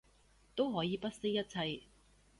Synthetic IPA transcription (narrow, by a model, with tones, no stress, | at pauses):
t̪o˥wɦɔː˨˥jiː˨˧pɐ˥t̚se˥jɐ˥t̚t͡sʰɐ˧j